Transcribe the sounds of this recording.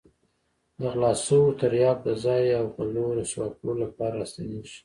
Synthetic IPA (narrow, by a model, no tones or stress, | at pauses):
d̪əɣlɑsəwot̪aɾjɑk̚d̪əzɑjawpaloɾoʃwɑkolapɑɾast̪aniʃi̥